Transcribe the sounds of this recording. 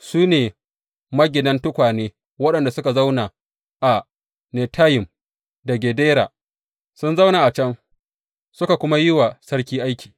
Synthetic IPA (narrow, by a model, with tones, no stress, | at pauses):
suː˦neː˨ | mɐ˦ɡʲɪ˨dɐ˦ntʊ˦kʷaː˨neː˦ | wɐ˦ɗɐ˨nda˨sʊ˦ka˨za˦wna˨ | ʔa˨ | nɛ˨tʰaː˦jɪ˨m | dɐ˨ɡʲeː˨deː˦ɾa̰˨ | sʊ˦nza˦wnaː˨ʔa˨t͡ʃɐ˦ŋ | sʊ˦ka˨kʷʊ˦ma˦jɪ˦wa˨sɐ˦ɽkʲiː˦ʔa˦jkʲi̥ː˨